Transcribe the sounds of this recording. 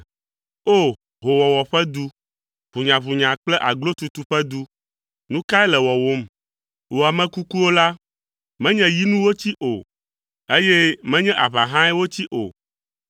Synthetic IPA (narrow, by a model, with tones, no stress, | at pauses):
o˦˨ | ɦo˨wɔ˨wɔ˨ɸɛ˦d̪u˦ | βu˨ɲã˨βu˨ɲã˨k͡plɛ˦ʔa˨ɡlo˦t̪u˦t̪u˦ɸɛ˦d̪u˦ | nũ˦ka˦ɛ˦lɛ˨wɔ˨wo˦m | wo˨a˨mɛ̃˦ku˦ku˦wo˦la˦ | mɛ̃˦ɲɛ̃˦ji˦nũ˦wo˦t͡ɕi˦ʔo˨ | e˦jɛ˦mɛ̃˦ɲɛ̃˦ʔa˨βa˨ɦã˦ɛ˦wo˦t͡ɕi˦ʔo̰˨